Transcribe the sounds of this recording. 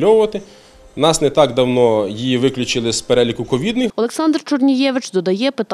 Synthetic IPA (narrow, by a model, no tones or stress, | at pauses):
ɔwʊʋɐt̪ɪ | nɑsnɛt̪ɑɡd̪ɐwnɔjijiʋɪklʲʊt͡ʃɪlˠɪspeɾɛlʲikʊkɔʋʲid̪nɪɔlˠeksɑnd̪rt͡ʃɔrnʲijɛʋɪt͡ʃd̪ɔd̪ɐjɛpɪt̪